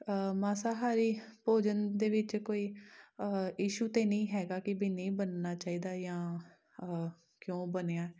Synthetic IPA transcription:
maːsaːɦaːɾiːpoːd͡ʒənd̪eːʋɪt͡ʃkoːiː | jiːʃuːt̪eːnĩːɦɛːɡaːkɪbiːnəĩːbənnaːt͡ʃaːiːd̪aːjãː | kjõːbəneːaːɛ

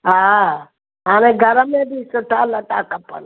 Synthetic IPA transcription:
ɦa | ɦaːneɡʱəɾəmẽbisəʈʰaːləʈaːkəpːə̰n

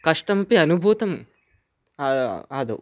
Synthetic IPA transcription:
kɐʂʈɐmɐpiɐnubʱuːt̪ɐm | aːd̪ṵ

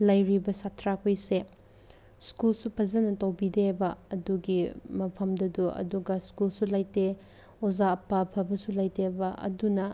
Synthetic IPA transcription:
lɐjɾibɐsatʰɾakʰojse | skulsupʰɐzɐnɐtɐwbidebɐːduɡimɐpʰɐmdɐduɐ̰duɡɐskulsulɐjte | ozaːpːapʰɐbɐsulɐjtebɐʔɐ̰dunɐ

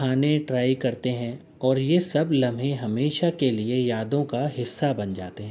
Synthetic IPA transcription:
aːneʈɾaːikɐɾt̪eɦɛ̃ | ɔːɾjesɐblɐ̃mʱɦẽɦɐmeːʃakeliejaːd̪õkaɦɪsːabɐnd͡ʒa̰ːt̪eɦɛ̃

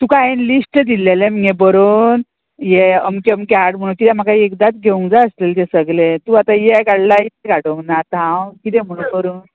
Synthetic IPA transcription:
t̪ũkajenlisʈəd̪ilelem̤ebəɾoːn | jeəmkeəmkaɽm̤əɽ̃ũkit̪ɛm̤akaiekd̪at͡sɡʱeũŋd͡zaəslelt̪esəɡlet̪uat̪ajeɡaɽlaɦit̪eɡaɽoŋnat̪ãwkit̪ɛ̃m̤əɽ̃ũnbəɾuːn

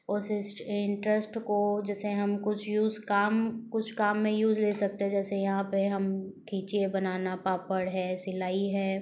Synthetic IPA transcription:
ʊsɪsʈɪɳʈɾəsʈkod͡ʒɛːseɦɐmkʊt͡ʃʰjuːzkaːmkʊt͡ʃʰkaːmːẽjuːzleːsɐk̚t̪eɦɛ̃d͡ʒɛːsejɐɦãpeɦɐmkʰiːt͡ʃebɐnaːnapaːpəɽɦɛːsɪlaːiɦɛː

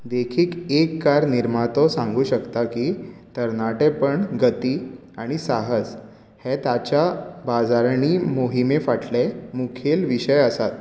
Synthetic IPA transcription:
d̪ekʰiːkekːaɾniɾmat̪ɔsãŋɡuːɕəkt̪akiːt̪əɾnaʈepəɳɡət̪iː | aɽ̃isaɦəd͡z | het̪jat͡ɕabad͡zaɾɳiːmoɦimefaʈʰlemukʰelʋiɕəjəsat̪̚

